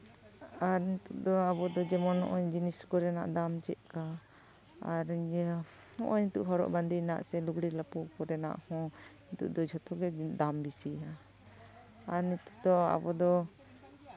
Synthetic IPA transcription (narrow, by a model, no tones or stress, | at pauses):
aɾnit̪uʔd̪ɔabɔd̪ɔd͡ʒɛmɔnɔ̰ʔɔɲd͡ʒiniskɔɾɛna̰ʔd̪amt͡ʃɛʔ̪̚ka | aɾ | ɔ̰ʔɔɲit̪uʔɦɔɾɔ̰ʔband̪ina̰ʔsɛluɡɽilapɔkɔɾɛna̰ʔhɔ̃int̪ṵʔd̪ɔd͡ʒʱɔt̪ɔɡɛd̪ambisia | aɾnit̪uʔd̪ɔa̰bɔd̪ɔ